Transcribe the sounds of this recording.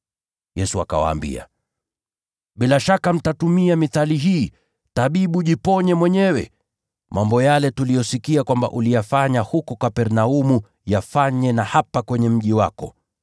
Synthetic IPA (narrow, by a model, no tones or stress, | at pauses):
jɛsua̰ka̰wa̰ːmbḭa̰ | ɓilaʃakam̩tatumiamiθaliɦiː | taɓiɓuʄipɔɲɛmwɛɲɛwɛ̰ | mʔambɔjalɛtulijɔsikiakwamba̰ʔulijafaɲahukɔkapɛɾnaumu | jafaɲɛnahapakwɛɲɛm̩ʄiwakɔ̰